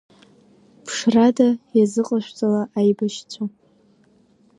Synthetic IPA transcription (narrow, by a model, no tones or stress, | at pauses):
pʰʂradajazɨqʼaʃʷᶣt͡sʼalaʔajbaʃt͡sʷʰo